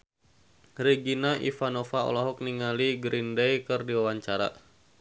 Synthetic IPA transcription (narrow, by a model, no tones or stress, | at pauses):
riɡinaʔḭfanɔfaɔ̰lɔɦɔk̚niŋaliɡɾindejkɨrdiwawaɲt͡ʃaɾa̰